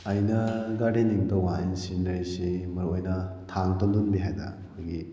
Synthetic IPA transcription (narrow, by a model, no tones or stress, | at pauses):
ajnɐɡaɽiniŋtɔwansindaɾjsemɐɾuojnɐtʰaŋtɔndunbiɦajda̰ | kʰɯjɡi